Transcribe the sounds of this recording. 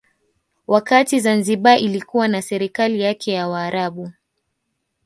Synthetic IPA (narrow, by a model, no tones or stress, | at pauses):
wakatizanziɓaʔilikuwanasɛɾikalijakʰɛjawaːɾaɓu